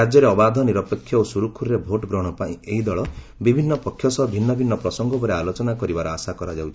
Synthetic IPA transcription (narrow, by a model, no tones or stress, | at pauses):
ad͡ʒjɔɾeɔbad̪ʱɔniɾɔpekʰːjɔosuɾukʰuɾɾebʱoʈɡɾɔɽ̃ɔpaḭ̃eɦid̪ɔɭɔ | bibʱinːɔpɔkʰjɔsɔbʱinːɔbʱinːɔpɾɔsɔŋɡɔbʱɔɾealot͡ʃɔnakɔɾibaɾɔasakɔɾad͡ʒawt͡ʃ̪ʰi̥